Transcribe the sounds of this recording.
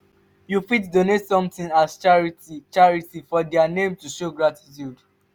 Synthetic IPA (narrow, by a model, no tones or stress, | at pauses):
jufitdonetsɔ̃mtĩŋast͡ʃaɹitit͡ʃaɹitifɔdɛanẽmtuʃoɡɹati̥tjud